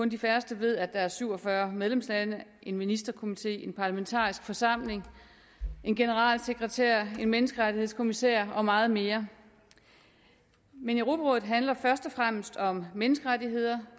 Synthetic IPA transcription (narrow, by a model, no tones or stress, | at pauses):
kʰɔ̽nd̥ifæɐsd̥əʋe̝ð̞̰ˠæd̥ɑ̈æɐsyʊ̰ɒ̽fɶɐmeð̞ˠlemslænəʔe̝nminisd̥ɐkʰo̝mit͡sʰe̝̰ːe̝npʰɑ̈læment͡sʰɑ̰̈ːisɡ̥fɒ̽sɑ̈m̰le̝ŋ | e̝nɡ̥e̝nəʁɑ̰̈ːlseɡ̥ʁɛt͡sʰæɐ̰e̝nmenəsɡ̥əʁadihe̝skʰomisɛ̰ɐɒ̽mɑ̈ːð̞̩ˠme̝ːɐ | meneʁo̝ːbʰæɐʁɔːð̩ˠɦænlɐfɶɐsd̥ɒ̽fʁam̰əsd̥ɒ̽mmenəsɡ̥əʁadiɦe̝ð̞̰ˠɐ